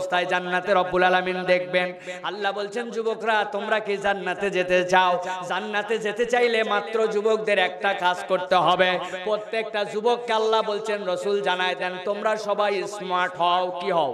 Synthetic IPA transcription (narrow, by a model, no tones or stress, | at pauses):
st̪ʰajd͡ʑanːat̪eɾɔbːulalamind̪ek̚ʰben | alːabolt͡ɕʰend͡ʑubokɾat̪omɾakid͡ʑanːat̪ed͡ʑet̪et͡ɕaod͡ʑanːat̪ed͡ʑet̪et͡ɕajlemat̪ːɾod͡ʑubok̚d̪eɾɛk̚ʈakad͡ʑkoɾt̪eɦɔbepɾot̪ːek̚ʈad͡ʑubokːalːabolt͡ɕʰenɾɔsuld͡ʑanaed̪ɛnt̪omɾaɾʃɔbajsmaɾʈɦɔokiɦɔo